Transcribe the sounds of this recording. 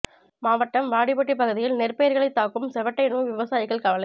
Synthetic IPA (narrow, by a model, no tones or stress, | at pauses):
maːʋɐʈːɐmʋaːɽɪbɐʈːipːɐɣɯðɪjɪlnɪrpejɐɾɣɐɭɐɪt̪ːaːkɯmsɛʋɐʈːɐɪnuːʋɪʋɐsaːjɪɣɐɭkɐʋɐlɐɪ